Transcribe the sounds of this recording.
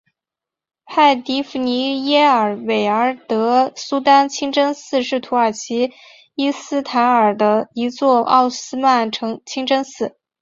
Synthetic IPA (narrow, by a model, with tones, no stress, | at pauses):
pʰa˥˩ɪt̪i˧˥fu˧˩ni˧˥jɛ˥ə˞˨˩we˨˩ɪə˞˧˥t̪ɤ˧˥su˥t̪a˥nt͡ɕʰi˥ŋʈ͡ʂɤ˥ŋsɹ̩˥˧ʂɻ̩˥˩t̪ʰu˧˥ə˞˨˩t͡ɕʰi˧˥ | i˥sɹ̩˥t̪ʰa˧˥nə˞˨˩d̪ə˦i˧˥t͡swɔ˥˧ʔɑ̰˥˩ʊsɹ̩˥ma˥˩nʈ͡ʂʰɤ˧˥ŋt͡ɕʰi˥ŋʈ͡ʂɤ˥ŋsɹ̩˥˩